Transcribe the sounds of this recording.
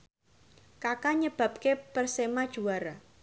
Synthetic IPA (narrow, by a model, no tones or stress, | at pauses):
kakaɲəb̥ä̤p̚kepərsemad̥ʒ̥uaɾa